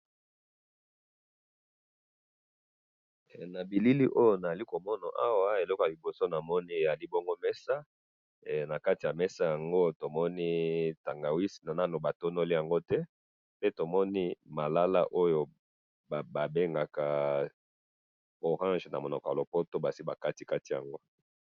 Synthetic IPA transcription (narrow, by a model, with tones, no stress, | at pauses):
na˨bi˨li˦li˦ʔo˦jo˨na˨za˨li˦ko˨mɔ˦na˨ʔa˦wa˦e˨lɔ˦ko˨ja˨i˨bo˨so˦na˨mɔ˦ni˦˨ja˨li˦bɔ˦ŋɡo˦mɛ˦sa˦ | na˨ka˦ti˨ja˨mɛ˦sa˦ja˨ŋɡo˦to˨mɔ˦ni˦ta˨ŋɡa˨wi˦si˨na˨na˦no˨ba˨to˦no˦li˦ja˨ŋɡo˦tɛ˦ | pe˦to˨mɔ˦ni˦ma˨la˦la̰˦ʔo˦jo˨ | ba˨be˦ŋɡa˨ka˨ | o˨ʁã˦ʒna̰˨mo˨nɔ˨kɔ˨ja˨lo˨po˦to˦ba˨si˦ba˨ka˦ti˨ka˦ti˨ja̰˨ŋɡo˦